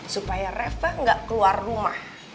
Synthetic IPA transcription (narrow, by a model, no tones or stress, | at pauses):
supajarɛfaŋɡaʔkəluarːumah